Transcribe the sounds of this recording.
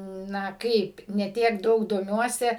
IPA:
ˈnɐ ˈkɐɪp nʲɛ ˈtʲiɛk ˈdɐʊk doːˈmʲuɔsʲɛ

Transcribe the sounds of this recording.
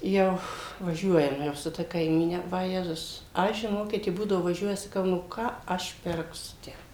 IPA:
ˈjɛʊ ʋɐˈʒʲuɔjɛm ˈjɛʊ sʊ ˈtɐ kɐɪˈmʲiːnʲɛ ʋɐˈjæːzʊs ˈɐʃ ʒʲɪˈnoːkʲɪt jɪ ˈbuːdɐʋoː ʋɐˈʒʲuɔjɛ sɐˈkɐʊ nʊ ˈkɑː ˈɐʃ ˈpʲɪrksʊ ˈtʲæː

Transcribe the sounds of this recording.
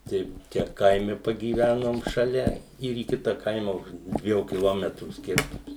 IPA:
tɐɪ ˈt͡ʃʲɛ ˈkɐɪmʲɛ pɐɡʲiːˈʋʲænoːm ʃɐˈlʲɛ ɪr iː ˈkʲɪtɐ ˈkɐɪmɐ ʊʃ ˈdʲʋʲiɛjuː kʲɪˈlˠoːmʲɛtruː ˈsʲkʲɪrtʊms

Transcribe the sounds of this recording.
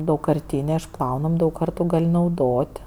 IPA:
dɐʊkkɐrʲˈtʲiːnʲeː ɪʃˈplˠɐʊnɐmʲ dɐʊk ˈkɐrtʊ ˈɡɐlʲ nɐʊˈdoːtʲ

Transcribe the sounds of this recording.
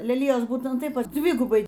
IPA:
lʲɛˈlʲɪjoːs ˈbuːtʲɛnt ˈtɐɪp ˈdʲʋʲɪɡʊbɐɪ

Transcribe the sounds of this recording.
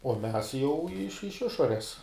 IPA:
uɔ ˈmʲɛs jɛʊ ɪʃ ɪʃ ˈɪʃoːrʲɛs

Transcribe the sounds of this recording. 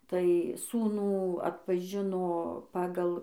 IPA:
tɐɪ ˈsuːnuː ɐtpɐˈʒʲɪnoː ˈpɑːɡɐlˠ

